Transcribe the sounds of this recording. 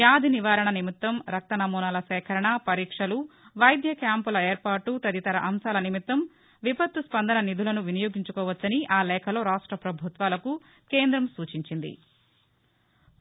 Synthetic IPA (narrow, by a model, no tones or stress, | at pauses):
jaːd̪ʱiniʋaːɾɐɳɐnimit̪ːɐmɾɐk̚t̪ɐnɐmuːnaːlɐsɛːkʰɐɾɐɳɐpɐɾiːkʂɐluʋɐjd̪jɐkjaːmpulɐeːɾpaːʈːut̪ɐd̪it̪ɐɾɐʔɐmʃaːlɐnimit̪ːɐm | ʋibɐt̪ːuspɐnd̪ɐnɐnid̪ʱulɐnuʋinɐjoːɡiɲt͡ʃu̥kɔːʋɐt͡ʃːɐniʔaːlɛːkʰɐlo̞ːɾaːʂʈɾɐpɾɐbʱut̪ʋaːlɐku | keːnd̪ɾɐmsuːt͡ʃiɲt͡ʃind̪ḭ